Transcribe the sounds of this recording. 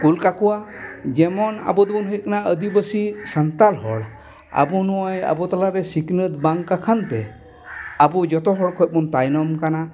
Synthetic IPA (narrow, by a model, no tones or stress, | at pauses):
kulkakuwad͡ʒɛmɔna̰bud̪bɔnɦɔjkanaəd̪ibəsisant̪alɦɔ̰ɽ | a̰bunɔɔja̰bɔt̪alaɾɛsiknɯt̪baŋkakʰant̪ɛ | abud͡ʒɔtɔɦɔɹkʰɔjt̚mɔntajnɔmkana